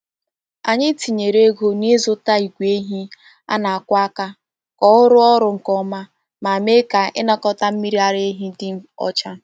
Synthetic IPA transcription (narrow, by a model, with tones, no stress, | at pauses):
a˨ɲɪ˦ti˨ɲe˨ɾe˦ɡo˦ni˦zʊ˦ta˦i˨ɡʷe˦ɦi˦ | a̰˦na˨a˨kʷa˦ka˦ | kɔ˨ʊ˦ɾʊ˦ɔ˦ɾʊ˦ŋ̩˨kɔ˦ma˦ | ma˨me˦ka˨ʔɪ˦na˦kɔ˦ta˦m̩˦mi˦ɾi˦a˨ɾe˦ɦi˦dɪ˦ɔ̰˦t͡ʃa˦